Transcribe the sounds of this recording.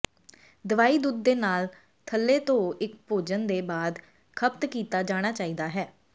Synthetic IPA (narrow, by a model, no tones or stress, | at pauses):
d̪əʋaːiːd̪uːd̪ːeːnaːl | t̪ʰəlːeːt̪õːɪkpoːd͡ʒənd̪eːbaːd̪ | kʰəpt̪kiːt̪aːd͡ʒaːɽ̃aːt͡ʃaːiːd̪aːɦɛː